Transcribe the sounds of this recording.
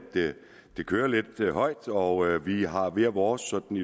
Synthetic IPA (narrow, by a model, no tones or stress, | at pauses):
d̥e | d̥e̝kʰøːɐle̝d̥ɦɒ̽ɪ̰d̥ɒ̽øʋiɦɑ̈ʋe̝ɐʋɒːsːɒ̽d̥n̩i